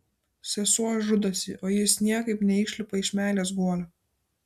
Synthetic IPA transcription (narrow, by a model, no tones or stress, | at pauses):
sʲɛsuɔʒʊd̪osʲḭʔoːjɪsnʲiɛkɐɪpnʲɛɪˑʃʲlʲɪpɐɪʃmʲæˑːlʲeːs̬ɡuɔlʲo